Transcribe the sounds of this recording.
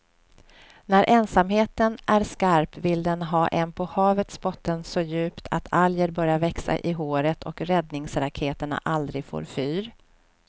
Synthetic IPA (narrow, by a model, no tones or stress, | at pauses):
næɾʔɛnsamheːt̪ənʔæɾskaɾpvɪld̪ɛnɦɑːʔɛnpʰɔhɑːvət̪sbɔt̪ːənsɔjʉ̟ːpt̪ʰa̰t̪ʰaljəɾbœɾjaɾvɛksa̰ʔɪɦoːɾət̪ʰɔ̰kɾɛd̪nɪŋsɾakʰeːt̪əɳa̰ʔald̪ɾɪɡfo̰ːɾfyːɾ